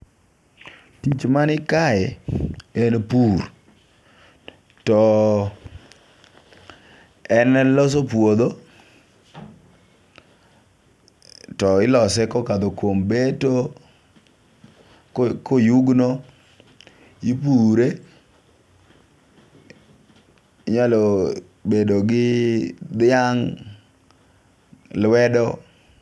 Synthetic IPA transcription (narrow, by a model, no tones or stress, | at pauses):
tit͡ʃmanɪkajɛ̰ɛnpur | tɔ | ɛnɛlɔs̬opwod̪o | tɔɪlɔsɛkɔkad̪okwombeto | kojuɡno | ipuɾe | ɲalo | bedoɡɪd̪ɪaŋ | lwɛdɔ